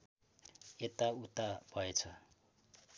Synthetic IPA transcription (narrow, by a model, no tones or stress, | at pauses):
et̪aut̪ab̥ʱʌet͡sʰʌ